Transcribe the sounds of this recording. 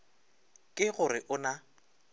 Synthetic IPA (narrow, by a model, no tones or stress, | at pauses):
kʼɪɣʊrɪʔʊna